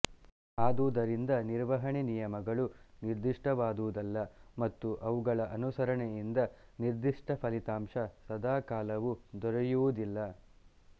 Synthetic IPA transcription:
aːd̪ud̪ɐɾind̪ɐniɾʋɐɦɐɳinijɐmɐɡɐɭuniɾd̪iʂʈʰɐʋaːd̪uʋud̪ɐlːɐmɐt̪ːuʔɐʋuɡɐɭɐʔɐnusɐɾɐɳejind̪ɐniɾd̪iʂʈʰɐpʰɐlit̪aːmʂɐsɐd̪aːkaːlɐʋud̪ɔɾɐjuʋud̪ilːɐ

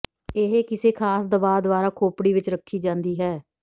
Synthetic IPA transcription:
ɪɦeːkɪseːkʰaːsd̪əbaːd̪ʋaːɾaːkʰoːpɽiːʋɪt͡ʃɾəkʰːiːd͡ʒãːnd̪iːɦɛː

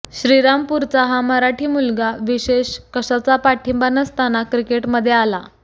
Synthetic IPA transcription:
ɕɾiɾampuɾt͡saɦaməɾaʈʰiːmulɡaʋiɕeɕkəɕat͡sapaʈʰimbanəst̪anakɾikeʈməd̪ʱːjeala

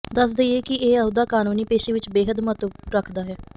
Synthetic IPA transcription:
d̪əsd̪eieːkɪeːəʊd̪aːkaːnuːniːpeːʃeːʋɪt͡ʃbeːɦəd̪mət̪əɾəkʰd̪aːɦɛː

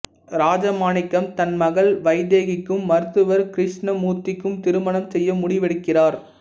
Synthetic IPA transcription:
ɾaːd͡ʒɐmaːnɪkːɐmt̪ɐnmɐɣɐɭʋɐɪðeːɣɪkːɯmːɐɾɯt̪ːɯʋɐɾkɪɾɪʂɳɐmuːt̪ːɪkːɯmt̪ɪɾɯmɐɳɐmsɛjːɐmʊɽɪʋɛɽɯkːɪraːɾ

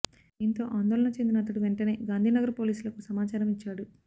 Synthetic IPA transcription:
int̪o̞ːʔaːnd̪oːlɐɳɐt͡ʃe̞nd̪inɐːt̪̬ɐɽiʋeɳʈɐne̞ːɡaːnd̪ʱiːnɐɡɐɾɐpo̞ːliːsulɐkusɐmaːt͡ʃaːɾɐmit͡ʃːaːɽu

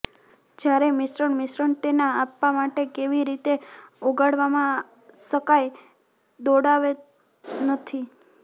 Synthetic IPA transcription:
d͡ʒjaɾemɪsɾəɳmɪsɾəɳʈ̪enaapːamaʈekeʋiɾit̪eoɡaɽʋamã | ʃəkaj | d̪oɽaʋe | nət̪ʰi

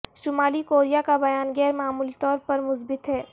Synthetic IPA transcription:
ʃʊmaːlikoːɾijakabɐjaːnɡɛːɾmaːmuːlit̪ɔːɾpɐɾmʊzbɪt̪ɦɛː

